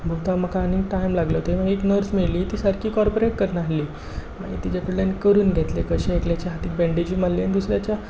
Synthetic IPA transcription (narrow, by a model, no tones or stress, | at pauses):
bʱut̪am̤əkʰaːnikʈajmlaɡlət̪eməɡeknəɾsmiɭliːt̪iːsəɾkʰiːkɔɾpoɾeʈ̚kəɾnaɦliː | ma̰ɡḭt̪it͡ɕakəɽljanikəɾuːnɡʱɛt̪lekəɕẽːkljat͡ɕjaɦat̪iːk̚bɛɳɖed͡ʑiːmalːeanid̪usɾjat͡ɕja